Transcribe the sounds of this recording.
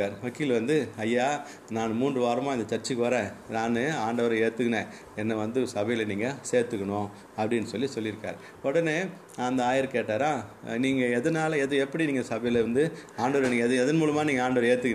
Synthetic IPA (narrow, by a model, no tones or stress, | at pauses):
aːɾʋɐkːɪɪlʋɐnd̪ɯɐjːaː | naːnɯmuːɳdrɯʋaːɾɐmaːɪnd̪ɐt͡ʃɐɾt͡ʃːikːʋɐɾɛ̃naːnɯaːɳɖɐʋɐɾɐeːt̪ːɯkːɐneː | ɛnːɐʋɐnd̪ɯsɐbɐjɪlɐniːŋɡɐseːɾt̪ɯkːɐɳõː | ɐpːɐɽɪnːɯsɔlːisɔlːɪɾɯkːa̰ːɾ | ɔɽɐneː | ɐnd̪ɐaːjɪɾkeːʈːaːɾaːniːŋɡɐɛðɐnaːlɐɛðɯɛpːɐɽiniːŋɡɐsɐbɐjɪlʋɐnd̪ɯaːɳɖɐʋɐɾniːŋɡɐɛðɯðɐnmuːlɐmaːniːŋɡɐaːɳɖɐʋɐɾeːɾt̪ːɯkːɐ